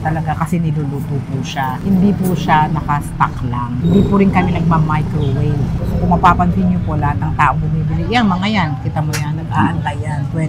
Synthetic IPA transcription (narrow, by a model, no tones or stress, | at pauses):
t̪ɐlɐɡakɐsɛnɪluluːt̪opuʃahɪnd̪iːpʊʃanɐkɐst̪a̰klaŋhɪnd̪iːpʊɾɪnkɐmɪnɐɡ̚mamajkɾowɛjlkʊŋmɐpaːpɐnt̪ɪɲopo̞lɐhat̪̚nɐŋt̪aːʔoŋbʊmiːbɪlɪʔjanmɐŋajankɪt̪amojaŋnɐɡ̚aːʔɐnt̪ajanpwɛ